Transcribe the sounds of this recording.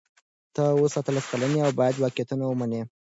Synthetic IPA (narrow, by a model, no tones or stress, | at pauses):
t̪aosat̪əlaskalaneawbɑjad̪wɑkjat̪unawəmane